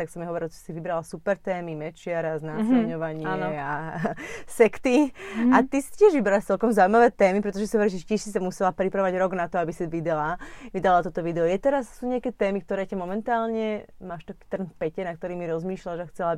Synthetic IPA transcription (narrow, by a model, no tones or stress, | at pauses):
t̪aksɔmɛɦɔʋɔɾilt̪ɔi̥siʋibɾalasupɛɾt̪ɛːmimɛt͡ʃɪaɾaznaːsɛɲɔʋaɲɪaɛa | sɛkt̪iat̪isi̥tɪɛʒʋibɛɾalast͡sɛlkɔmzauimaʋɛːt̪ɛːmipɾɛt̪ɔʒɛsiɦɔʋɔɾilʒɛcɪɛʃsisamusɛlapɾipɾaʋaɟɾɔɡnat̪ɔabisiʋid̪ɛlaʋid̪alat̪ɔt̪ɔʋid̪ɛɔjɛt̪ɛɾassuːɲɛakɛːt̪ɛːmik̚t̪ɔɾɛːcamɔmɛnt̪aːlɲɛmaːʃt̪akiːt̪r̩nfpɛcɛnak̚t̪ɔɾiːmiɾɔzmiːʃlaʒaxt͡sɛla